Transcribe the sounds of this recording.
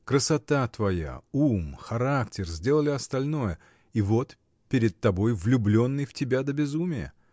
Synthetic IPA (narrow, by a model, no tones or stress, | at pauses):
kɾəsɐt̪at̪vɐja̰umxɐɾaktʲɪrzʲdʲe̞lˠəlʲɪɐst̪ɐlʲno̞jə | ivo̞t̪ | pʲɪɾʲɪt̪̚t̪ːɐbo̞jvlʲʊblʲo̞nːɨjftʲɪbʲad̪əbʲɪzumʲɪjə̰